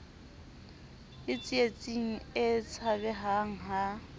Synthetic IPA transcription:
ɪt͡sʼiet͡sʼiŋ̩ɪt͡sʰabɛɦaŋ̩ɦa

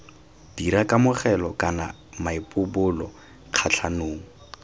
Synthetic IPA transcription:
d̥iɾakʼamʊχɛlɔkʼana̰ | maɪpʼʊbʊlɔ̰ | q͡χʰat͡ɬʰanoːŋ̩

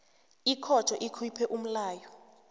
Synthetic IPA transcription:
ikʰɔd̥t͡ʃʰʼɔʔikʰwipʰɛʔum̩laːjɔ

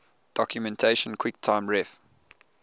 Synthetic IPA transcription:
d̥ɔkʰjumɛ̃ntʰeɪʃə̃nkʰwik̚tʰãɪ̃mɹɛf

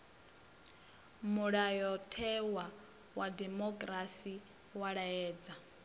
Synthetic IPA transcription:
muɺajɔtʰɛwa | wadɛmɔkʼɾasi | waɺaɛːd͡za

